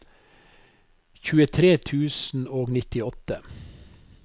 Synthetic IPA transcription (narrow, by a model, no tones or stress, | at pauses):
çʉːət̪ʰɾeːt̪ʰʉːsn̩oːɡnɪt̪ɪɔt̪ə